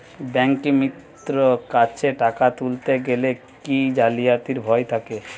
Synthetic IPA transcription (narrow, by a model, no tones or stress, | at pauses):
bɛŋkimit̪ | ɾokat͡ɕʰeʈakat̪ult̪eɡele | kid͡ʑalijat̪iɾbʱɔet̪ʰake